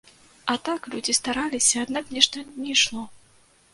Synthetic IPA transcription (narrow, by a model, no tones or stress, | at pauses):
ɐt̪aklʲud͡zʲist̪aɾalʲisʲɐːd̪naknʲɛʂt̪ɐnʲɛjʂlˠɔ